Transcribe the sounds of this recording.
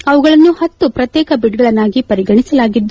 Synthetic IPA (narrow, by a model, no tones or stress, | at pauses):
ɐʋuɡɐɭɐnːuhɐt̪ːupɾɐt̪jɛːkɐbiɖɡɐɭɐnːaːɡipɐɾiɡɐɳisɐlaːɡid̪ːu